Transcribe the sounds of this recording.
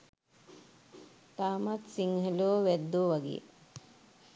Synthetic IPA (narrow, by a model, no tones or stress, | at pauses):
t̪aːmat̪siŋɦəloːʋæd̪ːoːʋaɡḛ